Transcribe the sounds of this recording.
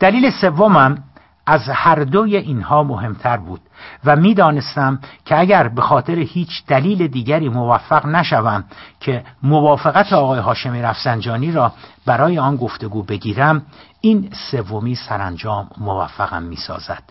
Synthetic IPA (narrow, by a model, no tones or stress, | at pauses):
d̪̥æliːle̞se̞vːo̞mæm | æzhæɾd̪ojeʔiːnhɒːmoɦe̞mt̪ʰæɾbuːd̪̥væmiːd̪ɒːne̞st̪æmcʰeæɟæɾbe̞xɒːt̪ʰe̞ɾehiːt͡ʃʰd̪æliːled̪iːɟæɾiːmo̞væfːæɣnæʃævæmcʰe̞movɒːfeɣæt̪ʰeɒːɣɒːjeɦɒːʃe̞miɾæfz̥ænd͡ʒɒːniːɾɒːbæɾɒːje̞ɒːnɡo̞ft̪e̞ɡuːbe̞ɟiːɾæm | iːnse̞vːomiːsæɾænd͡ʒɒːmːovæ̰fːæɣæ̰mːḭːsɒ̰ːzæ̰d̪̥